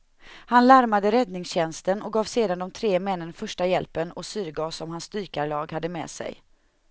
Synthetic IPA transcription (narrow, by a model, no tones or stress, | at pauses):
hanlaɾmad̪əɾɛd̪nɪŋsɕɛnst̪ənɔɡɑːvseːd̪and̪ɔmt̪ʰɾeːmɛnːənfœʂʈajɛlpənɔsyːɾɡɑːsɔmhansːt̪yːkaɭɑːɡhad̪ːəmɛ̰ːsɛ̰j